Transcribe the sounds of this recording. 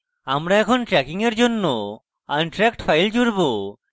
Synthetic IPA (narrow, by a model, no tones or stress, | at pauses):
amɾaɛkʰɔnʈɾɛkiŋɛɾd͡ʒɔnːɔ | anʈɾɛkʈpʰajld͡ʒuɾbɔ